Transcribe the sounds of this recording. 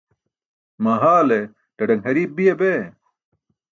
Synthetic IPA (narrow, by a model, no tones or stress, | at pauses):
mɐɦaːle | tɐɖɐŋhɐɾiːb̚bijebe